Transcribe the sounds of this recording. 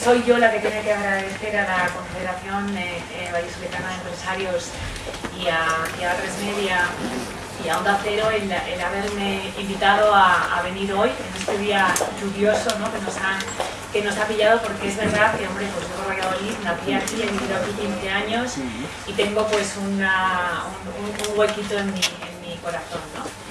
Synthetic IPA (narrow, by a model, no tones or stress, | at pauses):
so̞jʝo̞lake̞t̪enakeaɣɾaðe̞θe̞ɾalako̞ɱfe̞ðeɾaθjo̞n | βajosuβekanaðempɾe̞saɾjo̞s | iaiat̪ɾe̞zme̞ðja | iao̞nd̪aθe̞ɾoelelaβ̞e̞ɾmeimbit̪að̞o̞aa̰βe̞niɾo̞je̞ne̞st̪e̞ð̞iaʝuβjo̞so̞no̞ke̞no̞sa | ke̞no̞sapiʝaðo̞po̞ɾkeezβe̞ɾð̞aðke̞o̞mbɾe̞pwe̞sʝoβoɾβaɣaðoliθnaθiakieβiβiðoakut̪imoðeaɲo̞s | it̪e̞ŋɡo̞pwe̞sunaununuŋɡwe̞kit̪o̞e̞nmienmiko̞ɾaθo̞nːo